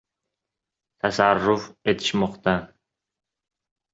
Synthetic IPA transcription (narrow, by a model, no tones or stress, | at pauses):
t̪ʰasarːʊfet̪ʰɪ̥ʃmɔqt̪a